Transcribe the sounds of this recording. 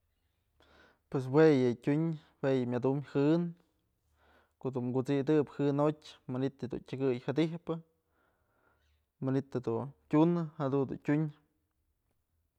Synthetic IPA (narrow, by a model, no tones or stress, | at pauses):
pwes̬wejɨtʲuɲ | wejɨmʲad̪umhɨn | koʔd̪unmɡut͡sid̪ɨphɨnotʲmanit̪ɨd̪ṵntʲɨɡɨjhad̪ihpɨ | manit̪ad̪utʲunɨhad̪und̪ṵntʲuɲ